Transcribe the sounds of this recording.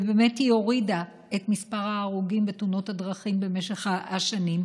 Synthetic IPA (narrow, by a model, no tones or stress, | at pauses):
beme̞tijo̞ʁida | etmispaʁaːʁuɡimbetuno̞thadʁɐχimbe̞me̞ʃeχaʔaʃanim